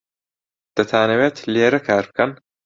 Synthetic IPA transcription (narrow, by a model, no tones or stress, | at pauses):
d̪̥ɐt̪ʰaːnɐweːt̪ʰleːɾɐkʰaːɾp̚kʰɐn